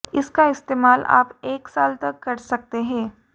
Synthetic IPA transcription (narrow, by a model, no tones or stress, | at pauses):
ɪskaɪst̪eːmaːlʔa̰ːpeːksaːlt̪ɐkːɐɾsɐk̚t̪eɦɛ̃ː